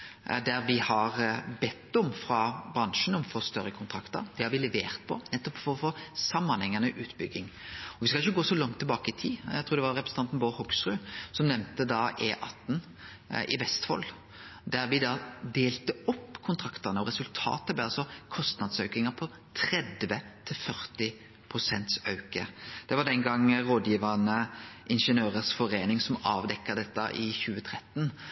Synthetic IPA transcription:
d̪æɾʋɪhɑɾbɛt̪ːɔmfɾɑbɾɑnʂn̩ɔmfoːst̪œɾːəkʰʊnt̪ʰɾɑkt̪ə̰ɾd̪̥ɛhɑɾʋɪlɛʋḛːʁt̪̚pʰɔ̰nɛt̪ːɔpfɔɾɔfoːsɑmːɑnhɛŋːənəʔʉːt̪bʏɡːɪŋɔʋɪskɑlɪçəɡoːsɔlɑŋt̪ʰːɪlbɑːkəɪt̪ʰiːæɪt̪ɾuːd̪ɛʋɑɾɾɛpɾsn̩ɑnt̪n̩boːhɔɡsʁʉːsɔmnɛmt̪əd̪ɑʔeːʔɑt̪n | ʔɪ̰ʋɛst̪fɔ̰l | d̪æɾʋɪd̪ɑd̪eːlt̪əɔpːkʰʊnt̪ʰɾɑkt̪ənəɔɾɛsʉlt̪ʰɑ̰ːt̪əblɛɑlsɔkʰɔst̪nɑd̪sœʉkɪŋəpʰɔ | t̪ʰʁɛd̪ʋət̪ʰɪlfœʁt̪ɪ | pʰʁʊsɛnt̪sœʉkə̰d̪̥ɛʋɑd̪ɛnɡɑŋːɾoːd̪jiːʋəʁnəʔɪnʂənøːɾəsfɔɾeːnɪŋsɔmɑ̰ːʋd̪ɛkːəd̪ɛt̪ːɑ̰ʔɪçʉːət̪ʰʁɛt̪ːn

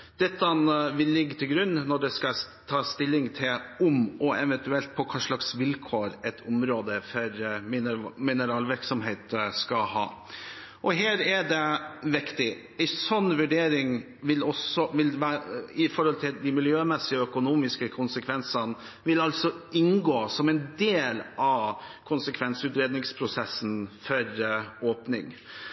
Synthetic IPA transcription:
d̪̥ɛt̪ːɑnʋɪlːɪɡːt̪ʰɪlɡɾʉnːnɔɖɛskɑ | t̪ʰɑːst̪ɪlːɪŋt̪ʰɪlʊmɔɛʋɛnt̪ʉɛlt̪̚pʰɔkʰɑːʂɭɑksʋɪlkʰoːɾɛt̪ʰʊmɾoːd̪əfœɾɪmɪnəɾɑːlʋɪɾksɔmɦeɪt̪skɑhɑ̰ː | ʔɔɦeːɾɛɖɛʋɪkt̪ɪ | ɛɪsɔnːʋʉɖeːɾɪŋ | ʋɪlɔsɔʋɪlʋæɪfɔɾhɔlt̪ʰɪld̪ɪmɪljøːmɛsːɪɔœkʊnuːmɪskəkʰʊnsəkʰʋɛnsən | ʋɪlɑlt̪sɔɪnɡoːsɔmɛɪnd̪eːlʔɑkʰʊnsəkʰʋɛnsʉːt̪ɾeːd̪nɪŋspʰɾʊsɛsːn̩fɔɾoːpnɪ̰ŋ

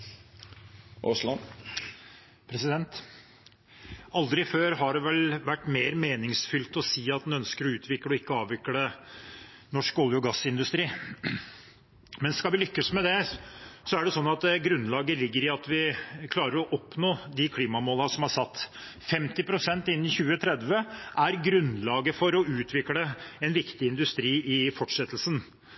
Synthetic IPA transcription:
ʔɔslɑn | pʰɾɛsɪd̪ɛnt̪ | ɑld̪ɾɪføːɾɦɑɖɛʋɛlʋæʈːmeːɾmeːnɪŋsfʏlt̪ɔsiːɑt̪̚d̪ɛnœnskəɾɔʉːt̪ʰʋɪkːəɽəɔɪkːəɑːʋɪkːlə | nɔʂkɔljʊɡɑsːɪnd̪ʉst̪ɾiː | mɛnskɑlʋɪlʏkːəsmɛd̪ɛsɔæɖɛsɔnːɑt̪ɡɾʉnlɑːɡəlɪɡːəɾɪɑt̪ʋɪkʰlɑːɾəɾɔʔɔpnoːd̪ɪkʰliːmɑmoːlˠəɑsɔmæʂɑt̪ː | fɛmt̪ɪpʰɾʊsɛnt̪ɪnːɪçʉːət̪ʰɾɛd̪ʋəʔæɾɡɾʉnlɑːɡəfɔɾɔʉːt̪ʰʋɪkləɛnʋɪkt̪ɪɪnd̪ʉst̪ɾiːɪfɔʈʂɛt̪ːlsən

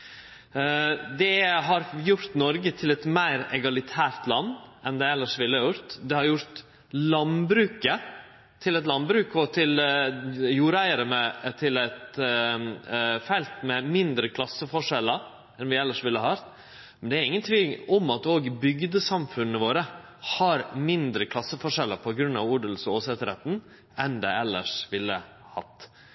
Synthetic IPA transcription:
d̪ɛɦɑɾjʊɾt̪nɔɾɡət̪ʰɪlɛt̪mæɪɾɛɡɑlɪt̪ʰæːɾt̪lɑnːɛnd̪ɛɛlːəʂʋɪlːəɑɾjʊɾt̪d̪ɛhɑɾjʊɾt̪ | lɑnbɾʉːkə | t̪ʰɪlɛt̪lɑnbɾʉːkɔt̪ʰɪl | juːɾæɪəɾəmɛt̪ʰɪlæt̪ | fɛlt̪mɛmɪnd̪ɾəkʰlɑsːəfɔʂɛlːəɾ | ɛnʋɪɛlːəʂʋɪlːəhɑɾ | mɛnd̪ɛæɾɪŋːənt̪ʰʋiːlŋɔmɑt̪oːɡbʏɡd̪əsɑmfʉnːəʋoːɾə | hɑɾmɪnd̪ɾəkʰlɑsːəfɔʂɛlːəɾpʰɔɡɾʉnːɑ̰ʋʊɖəl̩sɔoːsɛt̪əɾɛt̪n̩ | ɛnd̪ɛɛlːə̰ʂʋɪlːə̰ | hɑ̰t̪ː

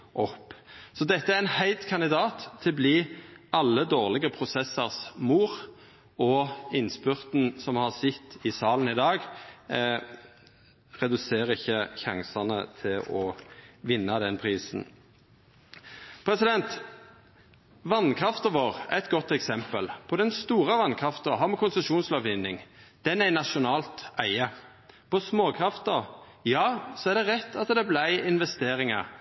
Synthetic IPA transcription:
ʔɔpːsɔd̪ɛt̪ːəæɾʁɛnhæɪt̪kʰɑnɪd̪ɑːt̪ʰːɪbliːɑlːəd̪oːʁlɪɡəpʰʁʊsɛsəʁsmuːʁ | ɔɪnspʉʁt̪n̩sɔmhɑʁsɪt̪ːɪsɑːln̩ɪd̪ɑːɡ | ʁɛd̪ʉseːʁɪçːəçɑ̰ŋsɑnə̰t̪ʰɪlɔʋɪnːɑd̪ɛnpʰʁiːsn | pʰɾɛsɪd̪ɛnt̪ | ʋɑnkʰʁɑft̪əʋoːʁæɛt̪ɡɔt̪ːɛksɛmpəlpʰɔd̪ɛnst̪uːɾəʋɑnkʰʁɑft̪əʁɦɑɾmɛkʰʊnsəʂuːnslɑːʋɪnːɪŋd̪̥ɛnæɪnɑʃʊnɑːlt̪æɪə | pʰɔsmoːkʰʁɑft̪əʁ | jɑːsɔæʁd̪ɛɾɛt̪ːɑt̪d̪ɛblæɪɪnʋɛst̪eːɾɪŋəɾ

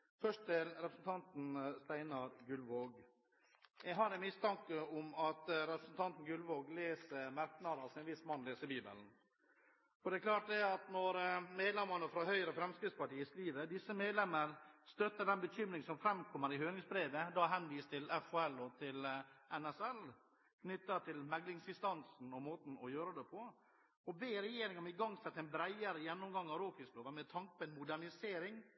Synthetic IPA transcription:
fœʂt̚d̪ɪlɾɛpɾəsn̩t̪ʰɑnt̪n̩st̪æɪnɑɾɡʉlʋoːɡ | jæɡɦɑːɾɛnmɪst̪ʰɑŋkəʊmɑt̪ɾɛpɾəsn̩t̪ʰɑnt̪n̩ɡʉlʋoːɡleːsəmæɾknɑɾəsɔɛnʋɪsmɑnːleːsəɾbiːbə̰ln̩ | fɔɖɛkʰlɑːʈ̚d̪ɛɑt̪nɔɾmeːd̪lɛmɑnəfɾɑhœʏɾəfɾɛmskɾɪt̪spɑʈiːəskɾiːʋəd̪ɪsːəmeːd̪lɛməɾst̪œt̪ːəɖɛnbətʏmɾɪŋsɔmfɾɛmkʰɔmːəɾɪhøːnɪŋsbɾeːʋəd̪ɑːɦɛnʋiːst̪ʰɪlɛfoːɛlːɔt̪ʰɪlɛnɛsɛl | kʰnʏt̪ːət̪ʰɪlmɛɡlɪŋsɪnst̪ɑnsn̩ɔmoːt̪n̩ɔjøːɾəd̪ɛpʰɔ | ɔbeːɾɛjeːɾɪŋɑmɪɡɑŋsɛt̪ːɛɪnbɾæɪəɾəjɛnːʊmɡɑŋːɑʋɾoːkɪskloːʋəmɛt̪ʰɑŋkə̥pʰɔɛnmʊd̪æɳɪseːɾɪŋ

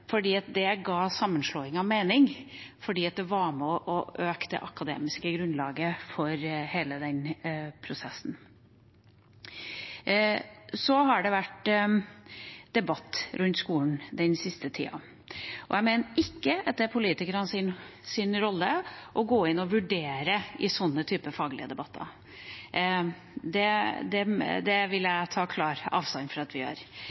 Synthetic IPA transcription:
fɔɖiːɑt̪̚d̪ɛɡɑːsɑmːənʂloːɪŋɑʋmeːnɪŋfɔɖiːɑt̪̚d̪ɛʋɑmɛɔʔɔʔøːkd̪ɛ̰ʔɑkɑd̪ḛːmɪskəɡɾʉnlɑːɡəfɔɾheːləd̪ɛnpʰɾʊsɛsn̩ | sɔɦɑɖɛʋæʈ | d̪̥ɛbɑt̪ːɾʔʉnt̪skuːnd̪ɛnsɪst̪ət̪ʰḭːɑ̰ | ʔɔ̰æmeːnəɾʔɪkːəʔɑt̪̚d̪ɛpʰʊliːt̪ɪkəɾəhɑnsɪnsɪnɾɔlːəʔɔɡoːɪnɔʋʉɖeːɾəɪsɔnːət̪ʰyːpəfɑːɡlɪ̰əd̪ɛbɑt̪ʰːɑ̰ | d̪ɛd̪ɛd̪ɛʋɪlæɪt̪ʰɑːkʰlɑːɾɑ̰ːʋst̪ɑnfɔɾɑt̪ʋɪjø̰ːɾ

